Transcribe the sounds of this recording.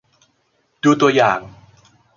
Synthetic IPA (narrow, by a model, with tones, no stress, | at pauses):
duː˧t̪u˧ɐjaː˨˩ŋ